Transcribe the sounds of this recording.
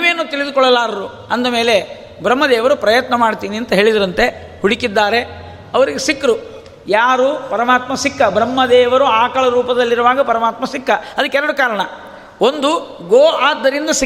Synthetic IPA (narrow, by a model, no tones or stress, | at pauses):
meːnːuːt̪iɭid̪ukɔɭːɐlaːɾɐɾu | ɐnd̪ɐme̞ːle̞ | bɾɐmːɐd̪ɛːʋɐɾupɾɐjɐt̪nɐmaːɖt̪iːniɐnt̪ɐɦe̞ːɭid̪ɐɾɐnt̪e̞ | huɽikid̪ːaːɾe̞ | ɐʋɐɾiɡesikːɾu | jaːɾupɐɾɐmaːt̪mɐsikːɐbɾɐmːɐd̪ɛːʋɐɾuaːkɐɭɐɾuːpɐd̪ɐlːiɾuʋaːɡɐpɐɾɐmaːt̪mɐsikːɐɐd̪ɐkːɛɾɐɽukaːɾɐɳɐ | o̞nd̪u | ɡoːaːd̪ːɐɾind̪ɐsi